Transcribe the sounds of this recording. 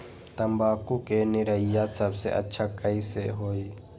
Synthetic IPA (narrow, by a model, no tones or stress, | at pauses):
t̪ɐmbaːkukenɪɾəɪjaːt̪səbsḛʔɐ̰tːʃʰakəiseɦoːiː